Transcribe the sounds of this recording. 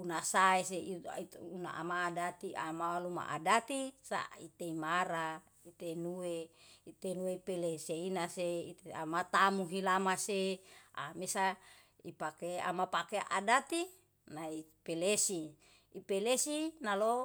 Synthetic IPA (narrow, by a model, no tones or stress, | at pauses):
unasaeseauna̰ʔa̰maːdat̪iamawaluma̰ʔa̰dat̪isa̰it̪eimaɾa | it̪enuweit̪enuepeleseinaseit̪eamat̪amuɦilamasea̰mesa | ipakea̰mapakeʔa̰dat̪i | naipelesiː | pelesinalo